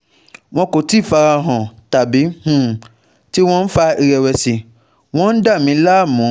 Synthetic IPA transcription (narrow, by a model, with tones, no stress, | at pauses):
w̃ɔ̃˧ko˨ti˦˨fa˧ɾa˧ɦã˨ta˨bi˨˦hũ˦˨ | ti˦w̃ɔ̃˦n̩˦fa˧i˧ɾɛ˧wɛ˨si˨ | w̃ɔ̃˦n̩˦da˦˨mĩ˨˦la˦˨mũ˨˦